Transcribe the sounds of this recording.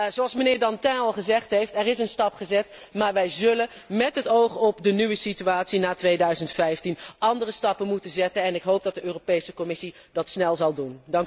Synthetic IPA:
zoɑlˠsmənɪːɹdɑntɛ̃ɑlˠχəzɛχtɦejftɛɾɪsənstɑpχəzɛtmaːɹʋɛjzɵlə | mɛtɦətowχɔpdənyʋəsityaːtsinaːtʋejdœɥzəntfɛjftinʔɑndərəstɑpənmutənzɛtənɛnɪkɦowp̚dɑt̚dəøːropejsəkɔmɪsi | dɑtsnɛlˠzɑlˠdundɑŋk

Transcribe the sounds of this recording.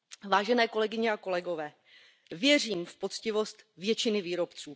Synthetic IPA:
vaːʒɛnɛːko̞lɛɡɪɲɛako̞lɛɡo̞vɛː | vjɛr̝iːmfpo̞t͡scɪvo̞st̪vjɛt͡ʃɪnɪviːɾo̞pt͡suː

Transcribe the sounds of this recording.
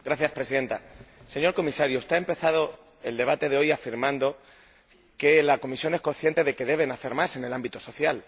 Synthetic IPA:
ɡɾaθjaspɾe̞siðe̞nt̪ase̞ɲo̞ɾko̞misaɾjoest̪eaempe̞θað̞o | e̞ld̪e̞β̞at̪e̞ðeo̞jafiɾmãnd̪o̞ | ke̞lako̞misjo̞ne̞sko̞nθje̞nt̪e̞ðe̞ke̞ðe̞β̞e̞naθe̞ɾmase̞ne̞lambit̪oso̞θjal

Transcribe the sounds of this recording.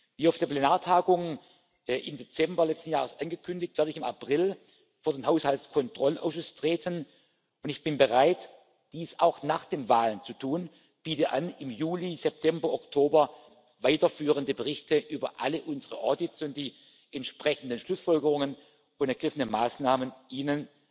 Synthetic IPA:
viːaʊfd̥eɐplenaːɐtʰaːɡʊŋ | ʔɪmdet͡sɛmbɐlɛt͡stn̩jaːʁəsʔanɡəkʰʏndɪçtvɛːɐɾəɪçɪma̰pʁ̥ɪl | foːɐdeːnɦaʊshalskʰɔntʁ̥ɔlʔa̰ʊʃʊstʁ̥eːtʰən | ʊntɪçb̥ɪnbəʁaɪt | d̥iːsa̰ʊxnaːχd̥eːmvaːlənt͡sutʰuːn | b̥iːtəʔanɪmjuːlizɛp̚tʰɛmbɐʔɔktʰoːbɐ | vaɪtɐfyːʁəndəbəʁɪçtəʔyːbɐ̰ʔaləʔʊnzəʁəʔɔɐdɪtt͡sʊnt̚d̥iː | ʔɛntʃpʁ̥ɛçn̩dənʃlʊsfɔlɡəʁʊŋən | ʊntɛɐɡ̥ʁɪfənəmaːsnaːmənʔiːnən

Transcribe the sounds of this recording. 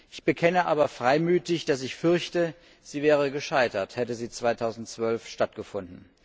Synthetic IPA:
ʔɪçb̥əkʰɛnəʔaːbɐfʁ̥aɪmyːtɪçd̥as̬ɪçfʏɐçtə | z̥iːvɛːʁ̞əɡəʃaɪtɐthɛtəziːt͡sv̥aɪtʰaʊzn̩tt͡sv̥œlfʃtatɡ̥əfʊndn̩

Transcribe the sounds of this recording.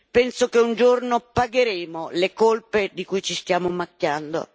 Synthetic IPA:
pɛnsokeund͡ʒornopaɡeɾeːmolekolped̪ikujt͡ʃist̪jaːmʊmakːjand̪o̰

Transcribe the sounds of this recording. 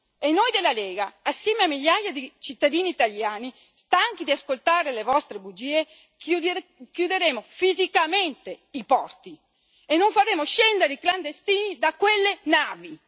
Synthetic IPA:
enːojd̪elaleːɡaːsːjɛmeamːiʎːajad̪it͡ʃit̪ːad̪iːniːt̪aljaːni | st̪aŋk̟id̪iaskolt̪aːɾelevɔst̪ɾebud͡ʒiːe | kjud̪eɾeːmofizikament̪eipɔrt̪i | enːoɱfaɾeːmoʃɛnd̪eɾeikland̪est̪iːnid̪akːwelːenaːvi

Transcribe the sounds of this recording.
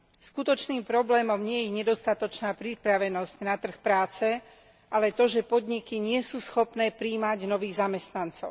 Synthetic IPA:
skut̪ɔt͡ʃniːmpɾɔblɛːmɔmɲɪɛjɛɲɛd̪ɔst̪at̪ɔt͡ʃnaːpɾipɾaʋɛnɔzcnat̪r̩xpɾaːt͡sɛ | ʔalɛt̪ɔʒɛpɔd̪ɲikiɲɪɛsuːsxɔpnɛːpɾiːmaɟnɔʋiːɣzamɛst̪nant͡sɔʊ

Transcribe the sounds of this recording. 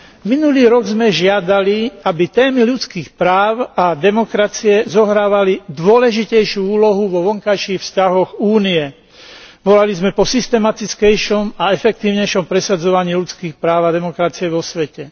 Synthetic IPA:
minuliːɾɔɡzmɛʒɪad̪aliabit̪ɛːmiʎut͡skiːxpɾaːʊad̪ɛmɔkɾat͡siɛzɔɦɾaːʋalid̪ʋʊɔlɛʒicɛjʃɪuuːlɔɦuʋɔʋɔŋkajʃiːxfscaɦɔɣuːniɛ | ʋɔlalizmɛpɔsist̪ɛmat̪it͡skɛjʃɔmaɛfɛk̚t̪iːʊɲɛjʃɔmpɾɛsad͡zɔʋaɲiːʎut͡skiːxpɾaːʊad̪ɛmɔkɾat͡siɛʋɔsʋɛcɛ

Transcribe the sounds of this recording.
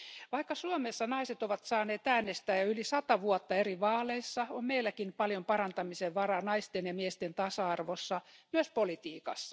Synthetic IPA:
ʋɑikːɑsuomesːɑnɑiset̪oʋɑt̪sɑːneːt̪æːnːest̪æːjɑylisɑt̪ɑʋuot̪ːɑeriʋɑːleisːɑommeilːækinpɑljompɑrɑnt̪ɑmiseʋʋɑrɑnɑist̪enjɑmiest̪ent̪ɑsɑɑrʋosːɑmyøspolit̪iːkɑsːɑ̥

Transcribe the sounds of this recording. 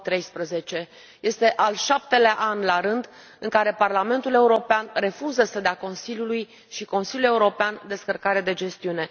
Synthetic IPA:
t̪ɾe̞jspɾəze̞t͡ʃe̞ | je̞st̪e̞ʔalʃap̚t̪e̞leaʔanlaɾɨnd̪ | ɨŋkaɾe̞parlame̞nt̪ule̞uɾo̞peanre̞fuzəsəd̪eako̞nsiljuluj | ʃiko̞nsiljulje̞uɾo̞peand̪e̞skərkaɾed̪e̞d͡ʒe̞st̪iune̞

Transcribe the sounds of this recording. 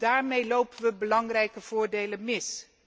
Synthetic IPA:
d̥aːɹmejlowpənʋəbəlɑŋrɛjkəv̥ʊːɹdejlənmɪs

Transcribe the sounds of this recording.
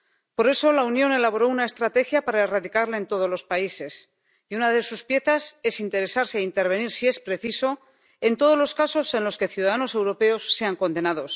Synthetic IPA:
po̞ɾe̞so̞launjo̞ne̞laβo̞ɾo̞unae̞st̪ɾat̪e̞xjapaɾaeraðikaɾlaent̪o̞ð̞o̞zlo̞spaise̞s | iunaðe̞suspje̞θase̞sint̪e̞ɾe̞saɾseaint̪e̞ɾβ̞e̞niɾsie̞spɾe̞θiso̞ | e̞nt̪o̞ð̞o̞zlo̞skaso̞se̞nlo̞ske̞θjuðaðano̞se̞wɾo̞pe̞o̞sːe̞aŋko̞nd̪e̞naðo̞s

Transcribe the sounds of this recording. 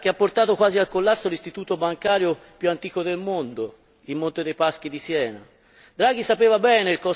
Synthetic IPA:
k̟eapːort̪aːt̪okwaːzialkolːasːolist̪it̪uːt̪obaŋkaːɾjopjuant̪iːkod̪elmond̪o | imːont̪ed̪ejpaskid̪isjɛːna̰ | d̪ɾaːɡ̟isapeːvabɛːnelkɔ

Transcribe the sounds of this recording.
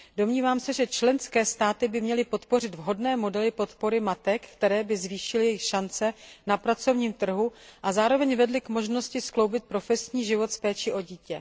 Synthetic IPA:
do̞mɲiːvaːmsɛʒɛt͡ʃlɛnskɛːst̪aːt̪ɪbɪmɲɛlɪpo̞t̪po̞rɪd̪vɦo̞dnɛːmo̞dɛlɪpo̞t̪po̞ɾɪmat̪ɛkkt̪ɛɾɛːbɪzviːʃɪlɪjɛjɪxʃant͡sɛnapɾat͡so̞vɲiːmt̪r̩ɦuʔazaːɾo̞vɛɲvɛdlɪkmo̞ʒno̞scɪsklo̞wbɪt̪̚pɾo̞fɛsɲiːʒɪvo̞t̪fpɛːt͡ʃɪʔo̞ɟiːcɛ

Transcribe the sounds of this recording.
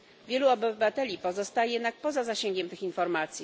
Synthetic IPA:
vʲjɛluɔbɘvat̪ɛlʲipɔzɔst̪ajjɛd̪nak̚pɔzazaɕeŋɡʲɛmt̪ɘxinfɔɾmat̪sʲji

